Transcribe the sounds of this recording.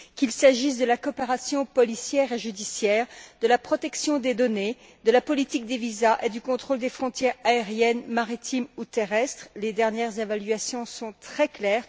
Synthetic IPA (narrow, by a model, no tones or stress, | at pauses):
kʲilsaʒis̬d̪əlakɔpeʁasjɔ̃pɔlisjɛʁeʒyd̪isjɛːʁd̪əlapχɔt̪ɛksjɔ̃d̪ed̪ɔne | d̪əlapɔlit̪ik̚d̪evizaʔed̪ykɔ̃t̪χold̪efχɔ̃t̪jɛʁaeʁjɛnmaʁit̪imut̪eʁɛst̪χled̪ɛʁnjɛʁzevalɥasjɔ̃sɔ̃t̪χɛklɛːʁ